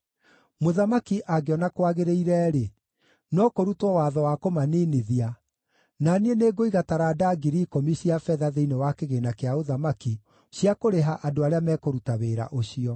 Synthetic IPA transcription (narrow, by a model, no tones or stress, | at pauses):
moðamakiʔaɡeɔnakwaɣeɾeiɾɛːɾe | nɔkoɾutwɔwaðɔwakomaneneðia | nanieneːɡoiɣataɾadaɡiɾikɔmiɕiafɛðaðeinewakeɣenakeaoðamaki | ɕiakoɾeɦaʔadoaɾeamɛkoɾutaβeːɾa̰ʔoɕiɔ